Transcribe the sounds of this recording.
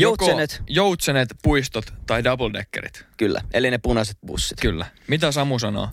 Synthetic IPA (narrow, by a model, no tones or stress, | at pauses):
joukoenet̪jout̪senet̪puist̪ot̪ːɑjdɑboldekːḛɾḭt̪kylːæ̰elinepunɑset̪̚bṵsːit̪kylːæmit̪æsɑmusɑno̰ː